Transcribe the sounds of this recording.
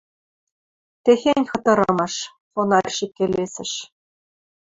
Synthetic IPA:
t̪exenʲxɤ̆t̪ɤ̆ɾɤ̆mɤʃ | fonɑrʲʃikʲːelʲesɘ̆ʃ

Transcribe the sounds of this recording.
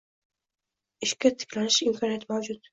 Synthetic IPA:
ɪʃkʲat̪ʰɪ̥kʲʰlanɪʃɪmkʰɒnijat̪mawd͡ʒʊt̪̚

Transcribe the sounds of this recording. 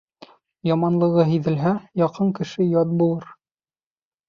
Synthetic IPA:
jɒmɑnlˠɤ̆ʁɤɦiðɘ̆lɦæjɑqɤɴkɘ̆ʃɘjɒt̪̚bulˠɤɾ

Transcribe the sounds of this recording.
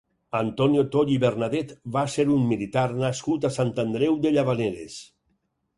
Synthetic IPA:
ant̪ɔnjot̪oʎiβeɾnaðet̪βaseɾummilit̪aɾnaskut̪asant̪and̪ɾɛwd̪eʎaβaneɾḛs

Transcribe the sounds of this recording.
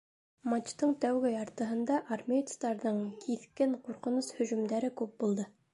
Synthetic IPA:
mat͡ʃt̪ɤɴt̪æwɡɘɑɾt̪ɤ̆ɦɤ̆nd̪ɑʔarmʲet̪st̪ɑɾðɤɴkʰiθkɘɴquɾqɤ̆nushɵ̆ʒɵ̆md̪æɾɘkʉp̚bulˠd̪ɤ

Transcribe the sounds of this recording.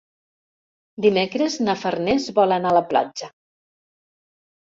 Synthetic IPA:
d̪imekɾeznafərnezβɔlanaləpla̰d͡ʒə

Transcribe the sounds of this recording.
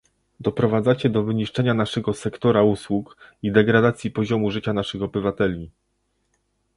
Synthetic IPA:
d̪ɔpɾɔvad̪zat͡ɕɛd̪ɔvɘɲiʂt͡ʂɛɲanaʂɛɡɔsɛkt̪ɔɾauswukid̪ɛɡɾad̪at̪sʲjipɔʑɔmuʐɘt͡ɕanaʂɘxɔbɘvat̪ɛlʲi

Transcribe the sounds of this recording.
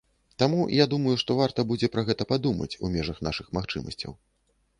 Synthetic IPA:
t̪amujad̪umɐjuʂt̪ɔvart̪ɐbud͡zʲɛpɾɐɣɛt̪ɐpad̪umɐ̰t͡sʲṵmʲɛʐɐxnaʂɨxmaxt͡ʂɨmɐ̰sʲt͡sʲɐ̰w

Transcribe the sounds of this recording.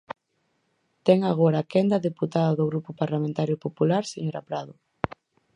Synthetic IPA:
t̪ɛŋaɣ̞oɾaːkɛnd̪ɐðeput̪aðɐðʊɣɾupʊpaɾlamẽnt̪aɾjʊpopulaɾseŋɾapɾaðʊ

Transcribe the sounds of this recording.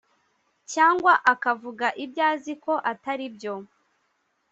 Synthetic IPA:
caːŋɡwaʔakavuɡaʔibjaːziko̞ʔataɾibjo̞

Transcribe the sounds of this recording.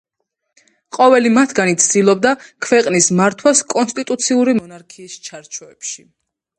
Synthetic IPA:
qʼɔvɛlimat̪ʰɡanit̪sʰd̪ilˠɔb̚d̪akʰwɛqʼnismaɾt̪ʰwaskʼɔnst̪ʼit̪ʼut̪sʰiuɾimɔnaɾkʰiːst͡ʃʰaɾt͡ʃʰɔɛpʃi

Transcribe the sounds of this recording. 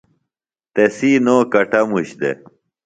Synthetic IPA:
t̪esiːnoːkɐʈɐmuɕd̪ḛ

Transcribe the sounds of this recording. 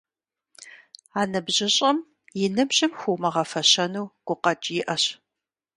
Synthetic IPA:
aːnɨbʑɪɕʼɐm | jɪnɨbʑɪmxʷumɐʁɐfɐɕɐnuwɡ̥ʷʊqɐt͡ʃʼjɪʔɐɕ

